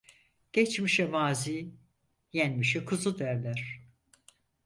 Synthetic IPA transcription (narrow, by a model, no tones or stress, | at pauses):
ɟ̥ɛt͡ʃmiʃɛmaːziː | jænmiʃɛkʰɯzud̪æɾlʲæɾ̥